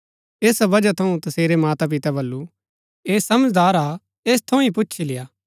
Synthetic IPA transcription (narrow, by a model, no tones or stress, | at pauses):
eːsbɐd͡ʒat̪ʰɐũt̪ɐseːɾemaːt̪ap̬ɪt̪abɐlːu | eːsɐməd͡ʒd̪aːɾa | eːst̪ʰɐũip̬ʊːʃʰilɪjaː